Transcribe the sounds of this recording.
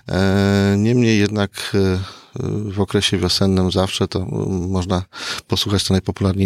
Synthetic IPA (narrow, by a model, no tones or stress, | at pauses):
ɲɛmɲejːɛd̪nak | vɔkɾɛɕɛvʲjɔsɛnːɘmzafʂɛt̪ɔ̰mɔʐnapɔswuxat͡ɕt̪ɔnajpɔpulaɾɲe